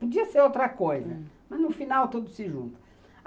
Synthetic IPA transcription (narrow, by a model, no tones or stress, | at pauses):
pod͡ʒiɐseɾowt̪ɾɐkojzɐ̰ | mɐznʊfinawt̪od̪ʊsɪʒṵ̃nt̪ʊ̥